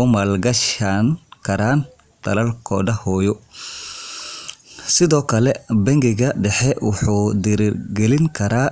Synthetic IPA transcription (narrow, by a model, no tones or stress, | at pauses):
ɔmaːlɡɐʃankʰɐɾaːn | t̪ʰɐ̰lɐlkʰɔːdɐhɔːjɔ | sɪðɔːkʰɐlɛbɐŋɡɪɣɐɖɛħɛwʊħuːd̪ɪɾrɡɛlɪŋkʰɐɾaː